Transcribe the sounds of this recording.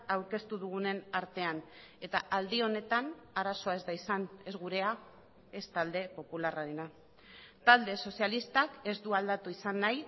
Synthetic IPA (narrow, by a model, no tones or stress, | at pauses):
awɾke̞st̪uðuɣ̞une̞naɾt̪e̞an | e̞t̪aʔald̪io̞ne̞t̪anaɾaso̞aezd̪ajsane̞zɣuɾe̞a | e̞st̪ald̪e̞po̞pularaɾena | t̪ald̪e̞so̞sialist̪ake̞zd̪uald̪at̪uisanːaj